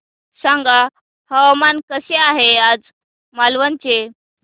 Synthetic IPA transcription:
sãŋɡa | həʋamankəɕeaɦead͡z | malʋənt͡ɕe

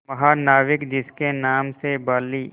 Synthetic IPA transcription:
mɐɦaːnaːʋɪkd͡ʒɪskenaːmsebaːliː

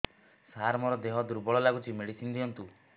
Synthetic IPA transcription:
saɾmɔɾɔd̪eɦɔd̪uɾbɔɭɔlaɡut͡ʃʰimeɽisind̪iɔnt̪u

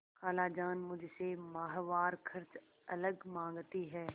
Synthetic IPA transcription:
kaːlaːd͡ʒaːnmʊd͡ʒʱsemaːɦʋaːɾkʰɐɾt͡ʃ | ɐləɡmãːŋɡt̪iɦɛː

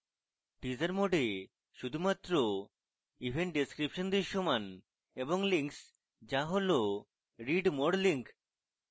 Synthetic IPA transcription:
ʈid͡ʑaɾmoɖe | ʃud̪ʱumat̪ːɾo | ibʱeɳʈ̚ɖeskɾipʃond̪eɾʃoman | eboŋliŋks | d͡ʑaɦolo | ɾiɖmoɽliŋk

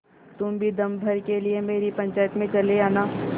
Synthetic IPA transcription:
t̪ʊmbʱid̪ɐmbʱɐɾkeliemeːɾipɐ̃ɲt͡ʃaːjət̪mẽt͡ʃɐleaːnaː

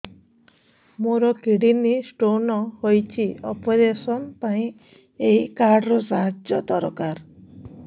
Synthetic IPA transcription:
moɾɔkiɽinisʈonɔhojt͡ʃʰiɔpɔɾesɔnpaĩ | eikaɾɖɾɔsaɦad͡ʒjɔt̪ɔɾɔkaɾ

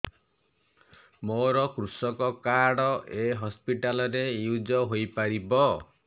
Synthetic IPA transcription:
moɾɔkɾusɔkɔkaɽɔʔeɦɔspiʈalɔɾejud͡ʒɔɦojpaɾibɔ

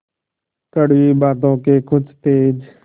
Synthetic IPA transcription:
kəɽʋiːɓaːt̪õːkeːkʰʊt͡ʃʰt̪eːd͡ʒ

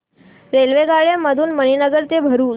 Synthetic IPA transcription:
ɾelʋeɡaɭeməd̪ʱuːnməninəɡəɾt̪ebʱəɾuː

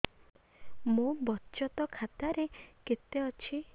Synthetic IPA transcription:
mũbɔtːt͡ʃɔt̪ɔkʰat̪aɾeket̪eɔt͡ʃʰi

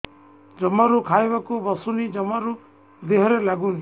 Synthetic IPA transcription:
d͡ʒɔmaɾukʰajbakubɔsunid͡ʒɔmaɾu | d̪eɦɔɾelaɡuni

